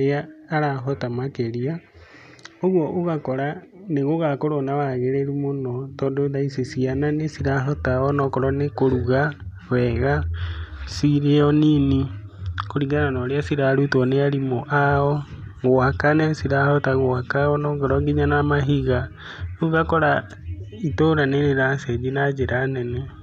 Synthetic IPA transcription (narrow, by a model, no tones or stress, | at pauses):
ɾeaːɾaɦɔtamakeɾia | oɣwɔʔoɣakɔɾaneɣoɣakoɾonawaɣeɾeɾumonɔtɔndoðaisesiananesiɾaɦɔtaɔnɔkɔɾɔnekoɾuɣa | wɛɣa | siɾeɔnini | koɾiɡananɔɾeasiɾaɾutɔneaɾimoʔaɔɣowakanɛsiɾahɔtaɣoakaɔnɔɡeɾɔŋɡiɲanamaɦiɣa | ɣoɣakɔɾa | itoɾaneɾeɾasɛd͡ʒinad͡ʒeɾʔanɛnɛ